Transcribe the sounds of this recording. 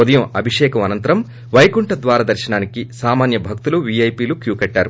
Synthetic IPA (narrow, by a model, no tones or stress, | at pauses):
od̪ɐjɐmɐbʱiʂɛːkɐmɐnɐnt̪ɐɾɐm | ʋɐjkuɳʈɐd̪ʋaːɾaːd̪ɐɾʃɐnaːnikisaːmaːnjɐbʱɐk̚t̪uluʋiɐjpiːlukjuːkɐʈːaːɾu